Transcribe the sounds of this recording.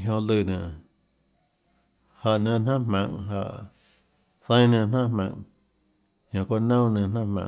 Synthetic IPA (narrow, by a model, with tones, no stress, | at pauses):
ɦjõ˧lɨ˧˨nã˨ | ha˨ʔnã˧nã˦mã˧˨ŋɦa˧˨ʔ | sə̃˦nə̃˧˨n̥ã˦mã̰˧˨ŋ | ɲã˨kʷa˦nõ˦nə̃˧n̥ã˦mã̰˨